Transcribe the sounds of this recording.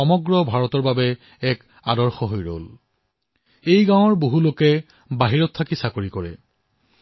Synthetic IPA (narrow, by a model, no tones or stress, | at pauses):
ɔmɔɡɹɔbʱaɹɔtɔɹbabɛ | ɛk | adɔɹxɔɦojɹo̰l | ejɡãw̃ɔɹboɦulokɛ | baɦiɹɔtʰːakisakoɹikɔɹɛ̰